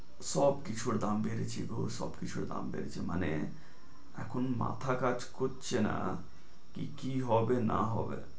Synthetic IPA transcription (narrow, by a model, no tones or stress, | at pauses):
sɔbkit͡ɕʰuɾd̪ambeɾet͡ɕʰiɡosɔ̰bkit͡ɕʰuɾd̪a̰mbḛɾet͡ɕʰemane | ɛkʰonma̰t̪ʰakad͡ʑkotːɕʰena̰ | kḭkiɦɔbenaɦɔbḛ